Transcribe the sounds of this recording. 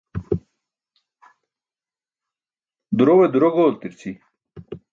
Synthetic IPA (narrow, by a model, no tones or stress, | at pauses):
d̪uɾowed̪uɾoɡoːlt̪iɾt͡sʰi